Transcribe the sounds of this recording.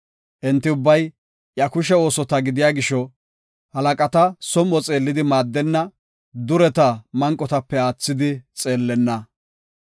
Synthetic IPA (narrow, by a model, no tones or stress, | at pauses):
ʔɛnt̪ːɪʊbːɐj | ʔjɐkʊʃɛo̞ːsɔt̪ɐɡɪd̪ɪjaːɡɪʃɔ | hɐlɐkʼɐt̪ɐsɔmɔt͡sʼe̞ːlːɪd̪ɪmaːd̪ːɛnːɐ | d̪ʊɾɛt̪ɐmɐŋkʼːɔt̪ɐpːɛaːt͡sːɪd̪ɪt͡sʼe̞ːlːɛnːɐ